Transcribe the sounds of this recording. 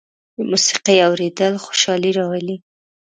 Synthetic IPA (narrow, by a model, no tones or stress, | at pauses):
d̪əmusi̥qijawɾed̪əlxo̥ʃɑliɾɑwali